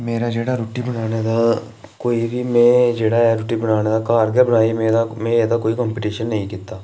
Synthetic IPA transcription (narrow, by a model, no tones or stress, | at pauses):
meːɾad͡ʒeːɽaɾoːʈibənaːned̪aː | koːibʱimɛ̃ːd͡ʒeːɽaɛɾoʈibənaːned̪akaːɾɡəbənaːimeːɾamɛ̃ːed̪akoːikɔːmpɪʈiːʃənːɐɦĩkɪt̪ːaː